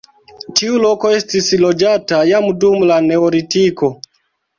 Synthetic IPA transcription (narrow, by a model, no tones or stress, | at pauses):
tiuloko̞estislod͡ʒatajamdumlaneoɾitiko